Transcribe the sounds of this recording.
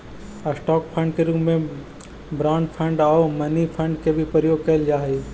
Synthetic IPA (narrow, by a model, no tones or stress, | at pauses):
əsʈɔːkpʰə̃ɳɖ̚keɾuːpmẽ | bɾãːnpʰə̃ɳɖaːomɐnipʰəɳɖkebʱipəɾjoːɡ̚kɐɪld͡ʒaːɦe